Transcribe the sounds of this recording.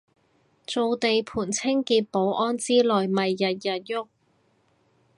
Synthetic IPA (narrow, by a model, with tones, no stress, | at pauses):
t͡so˨˧wt̪e˨jpʰuː˨˩nt͡sʰɪ˥ŋkiː˧t̚po˨˥wʔɔː˥nt͡siː˥lɔː˨jmɐ˨jːɐ˨t̚jɐ˨t̚jʊ˥k̚